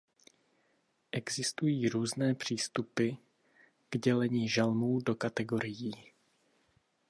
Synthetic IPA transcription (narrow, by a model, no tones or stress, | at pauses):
ʔɛɡzɪst̪ujiːɾuːznɛːpr̝̥iːst̪upɪ | ɡ̥ɟɛlɛɲiːʒalmuːdo̞kat̪ɛɡo̞ɾɪjiː